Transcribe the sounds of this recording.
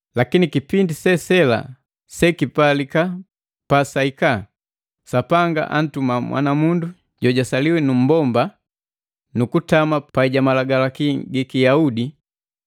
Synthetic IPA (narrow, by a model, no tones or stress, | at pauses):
lakinikipindisɛsɛla̰ | sɛkipalika | pasaika | sapaŋɡa̰ʔa̰n̩tumamwʔa̰namundu | ɟɔɟasaliwɛnum̩bɔmba | nukutamapaiɟamalaɡalakiɡikijaudi